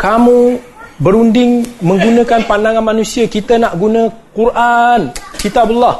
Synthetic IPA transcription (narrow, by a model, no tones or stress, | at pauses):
kamũ | bəɾundɪŋmə̃ŋɡunãkanpandaŋanmanũsiakit̪anaʔɡunãkurʔankit̪abulːɔh